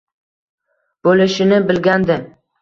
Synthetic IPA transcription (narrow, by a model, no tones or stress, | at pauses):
b̥olɪʃɪnɪbɪlɡʲand̪ɪ